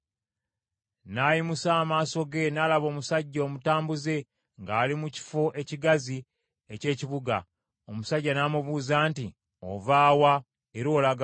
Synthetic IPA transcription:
naːjimusaːmaːso̞ɡe̞naːlaβo̞ːmusaɟːo̞ːmutaːmbuze̞ | ŋɡaːlimuci̥fo̞ʔe̞ciɡazi | ece̞ːciβuɡa̰ | omusaɟːanaːmuβuːzaːnti | o̰vaːwa | eɾo̞ːlaɡ

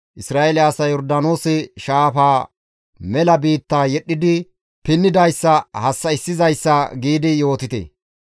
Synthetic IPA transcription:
ʔɪsɾaːʔelɪɐsɐjɔɾd̪ɐno̞ːsɪʃaːfaː | mɛlɐbiːt̪ːaːjɛɗːɪd̪ɪ | pɪnːɪd̪ɐjsːɐhɐsːɐɪsːɪzɐjsːɐɡiːd̪ɪjo̞ːt̪ɪt̪ḛ

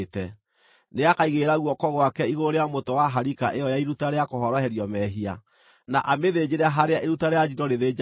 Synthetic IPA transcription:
tɛ | neakaiɣeɾaɣwɔkɔɣwakɛiɣoɾeamotɔwaɦaɾikaʔejɔjaiɾutaɾeakoɦɔɾɔhɛɾjɔmɛɦia | naʔameðed͡ʑeɾaɦaɾeaʔeɾutaɾejad͡ʒinɔɾeðed͡ʒ

